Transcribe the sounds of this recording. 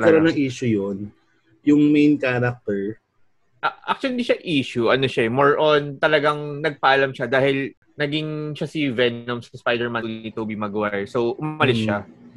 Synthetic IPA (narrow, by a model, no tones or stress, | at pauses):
lɐɾonɐŋʔiːʃʊjon | jʊŋmejnkaːɾɐk̚t̪ɛɹ | ʔɐʔa̰k̚t̪ʊwʊlliʃaʔiːʃʊʔɐnoʃaʔɛmoɹʔont̪ɐlɐɡaŋnɐɡ̚pɐʔɐlamʃad̪aːhɪl | nɐɡiŋʃasivɛnomsspajd̪ɛɹmɐnulnit̪oːbimɐɡwasowʔʊmɐlɪsʃa